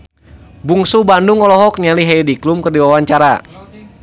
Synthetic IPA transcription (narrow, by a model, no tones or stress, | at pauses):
buŋsubanduŋɔlɔɦɔk̚ɲaliɦaɛdiklumkərdiwawaɲt͡ʃaɾa